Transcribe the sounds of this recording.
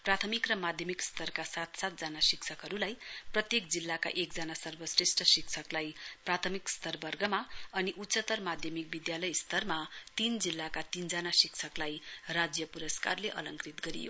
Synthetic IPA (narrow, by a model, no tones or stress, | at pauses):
prat̪ʰʌmikrʌmad̪ʱjʌmikst̪ʌrkasat̪sat̪̚d͡zanasikt͡sʰʌkɦʌɾulajprʌt̪jekd͡zilːaka̰ʔek̚d͡zanasʌrbʌsresʈʌsikt͡sʰʌklajprat̪ʰʌmikst̪ʌrbʌrɡʌmaʌniʔut̪sʌt̪ʌrmad̪ʱjʌmik̚bid̪jalʌjst̪ʌrmat̪ind͡zilːakat̪ind͡zanasikt͡sʰʌklajrad͡zjʌpuɾʌskarleʔʌ̰lʌŋkrit̪ɡʌɾḭjo̰